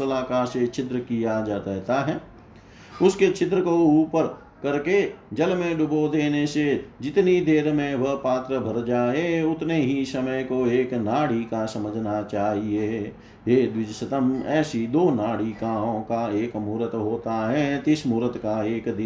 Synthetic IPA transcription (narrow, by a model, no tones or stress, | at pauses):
əlaːkaset͡ʃɪt̪ɾəkijad͡ʒaːt̪ːt̪aɦɛː | ʊsket͡ʃʰɪt̪ɾəkouːpəɾ | kɐɾked͡ʒɐlmẽɖʊbod̪eːnesed͡ʒɪt̪nid̪eːɾmẽʋəɦpaːt̪ɾəbʱɐɾd͡ʒaːeʊt̪neɦisəməjkoeːknaːɽikasɐməd͡ʒʱnat͡ʃaːɦie | jeːd̪wɪd͡ʒsət̪əmɛːsid̪oːnaːɽikãːɦõkaeːkmuːɾət̪ɦoːt̪aɦɛt̪ɪsmuːɾət̪kaeːkd̪ɪ